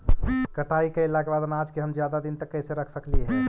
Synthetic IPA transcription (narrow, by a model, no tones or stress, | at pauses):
kəʈaikeɪlakebaːd̪nad͡ʒkeɦəmd͡ʒjad̪ad̪int̪əkːɛɦseɾəkʰsəkliɦɛː